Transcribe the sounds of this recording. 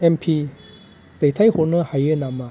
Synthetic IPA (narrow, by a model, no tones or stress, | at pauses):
ɛmpʰi | t̪ajt̪ʰajhonɯhajɯnama